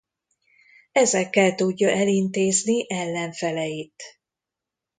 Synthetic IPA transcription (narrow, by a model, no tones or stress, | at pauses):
ɛzɛkːɛlt̪uɟːɒʔɛlint̪eːzniʔɛlːɛɱfɛlɛjit̪